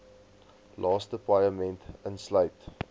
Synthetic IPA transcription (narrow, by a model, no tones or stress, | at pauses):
lʔɑːstəpajəmɛ̃ntənslɐjt